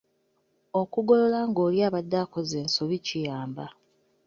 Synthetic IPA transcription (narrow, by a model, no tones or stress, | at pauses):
o̞kuɡo̞lo̞laːŋɡoːljaːβadːaːkozeːnsoβicijaːmba